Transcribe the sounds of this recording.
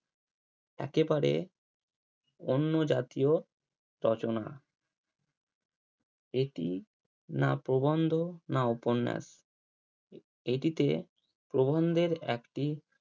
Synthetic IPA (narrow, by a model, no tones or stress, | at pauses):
ɛ̰kebaɾḛ | onːod͡ʑat̪io | ɾɔt͡ɕona̰ | eʈi | napɾobond̪ʱonauponːɛ̰s | eʈit̪e | pɾobond̪ʱeɾɛkʈi